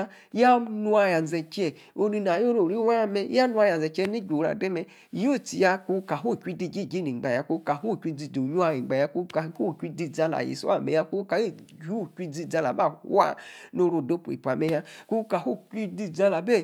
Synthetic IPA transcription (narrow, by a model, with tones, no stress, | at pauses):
ja˦nu˧a˧ja˨n˨zɛ˨t͡ʃɛ˨ | o˦ni˧n˨a˨jo˦ɾo˨ɾi˦wa˦mɛ˧˦a˦nu˦a˧ja˨n˨zɛ˨t͡ʃɛ˦ni˦ɡo˨ɾa̰˨de˦mɛ˧ | i˨˦o˦˨ti˨ja˧ku˧˦ka˨ɦo˦˨kʷi˦di˧˨d͡ʒi˦˨d͡ʒi˦ni˨ɡ͡ba˨ja˨ku˧˦ka˨ɦo˦˨kʷi˧d͡zi˧˨do˨ɲu˦a˧ji˨ɡ͡ba˨ja˧ku˧˦ka˨˧˦ho˦˨kʷi˦di˧˨d͡za˧la̰˨jḭ˨so̰˦a̰˦˨mḛ˨ja˧ko˦ka˨˦e˦ | d͡ʒu˦˨kʷi˦d͡zi˧˨d͡za˧la̰˨ba˦˨hu˦a̰˦no˧ɾo˧˨do˦pu˨ḭ˨pʷa˨me˧ja˧ku˦ka˨ho˦ki˦di˧˨d͡za˦la˨be˦˨